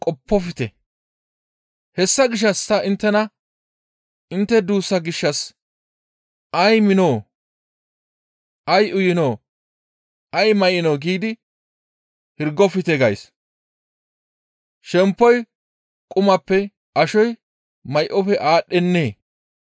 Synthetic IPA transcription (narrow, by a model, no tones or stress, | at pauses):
kʼɔpːɔfɪt̪ɛ | hɛsːɐɡɪʃ̬ːɐsːɐʔɪnt̪ːɛnɐ | ɪnt̪ːɛd̪uːsːɐɡɪʃːɐs | ʔɐjmɪnoː | ʔɐjʔʊjɪnoː | ʔɐjmɐjɪnoːɡiːd̪ɪ | hɪɾɡɔfɪt̪ɛɡɐjs | ʃɛmpːɔj | kʼʊmɐpːɛ | ʔɐʃɔj | mɐjʔɔfɛʔaːɗːɛnːeː